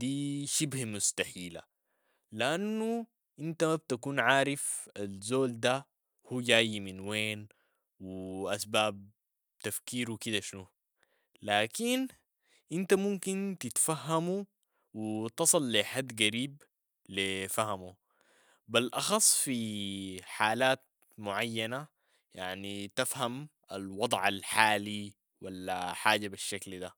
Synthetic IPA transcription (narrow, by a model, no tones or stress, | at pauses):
d̪iːʃibhmust̪aħiːla̰ | liʔanːu | ʔint̪aab̚t̪akuːnʕaːɾifalzoːld̪a | huːɟaːjminweːn | wiʔasbaːb̚ | t̪afkiːɾwikid̪aʃnu | laːkin | ʔint̪amumkint̪it̪fahːamu | wit̪ɑsˤɨlːiħad̪ːɡaɾiːb | lifaɦamu | bilʔɑxɑsˤːfi | ħaːlaːt̪̚ | mʊʕajːana | jaʕnit̪afham | a̰lwɑd̪ˤʕalħaːli | walːa̰ħaːɟabiʃːakld̪a